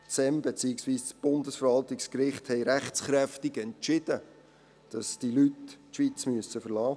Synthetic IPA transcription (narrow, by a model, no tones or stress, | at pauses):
t͡sɛmbet͡siɪksʋiːst͡sb̥ʊndəsfəɾʋɑltɪkskɾɪχthɛɪɾæχt͡sχɾɛftɪɡɛnt͡ʃɪd̥ə | d̥ɑsd̥ilytːʃʋit͡smyəsəfəɾlɑː